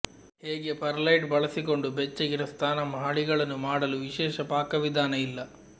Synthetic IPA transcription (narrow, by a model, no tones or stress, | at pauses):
heːɡe̞pɐɾlɐjʈbɐɭɐsiko̞ɳɖubɛt͡ʃːɐɡiɾɐst̪ʰaːnɐmɐɦaɭiɡɐɭɐnːumaːɽɐluʋiʃɛːʃɐpaːkɐʋid̪ʱaːnɐilːɐ